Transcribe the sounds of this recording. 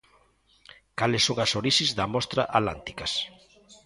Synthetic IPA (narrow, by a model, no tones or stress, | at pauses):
kalɪsːoŋɐsoɾiʃizðamɔst̪ɾa̰ʔala̰nt̪i̥kɐs